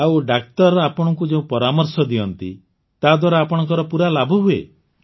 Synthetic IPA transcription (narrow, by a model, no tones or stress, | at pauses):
awɖak̚t̪ɔɾɔapɔɽ̃ɔŋkud͡ʒeũpɔɾamɔɾsɔd̪iɔnt̪ḭ | t̪ad̪waɾaapɔɽ̃ɔŋk̬ɔɾɔpuɾalabʱɔɦuḛ